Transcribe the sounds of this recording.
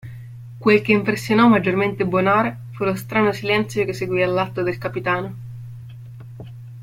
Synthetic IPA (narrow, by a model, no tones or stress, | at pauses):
kwelk̟eimpɾesːjonɔmːad͡ʒːorment̪ebonaːɾe | fulost̪ɾaːnosilɛnt̪sjokesːeɡwialːat̪ːod̪elkapit̪aːno